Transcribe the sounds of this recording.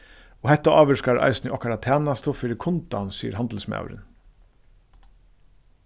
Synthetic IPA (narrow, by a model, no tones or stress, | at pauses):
ɔhɛht̪ːaʔɑːʋəʂkaɾʔɑ̰ɪjsnɪʔɔhkaɾat̪ʰæːnast̪ʊfɪːɾɪkʰʊnt̪a̰nsiːə̰ɾaɑnd̪l̩sma̰wɾɪ̰n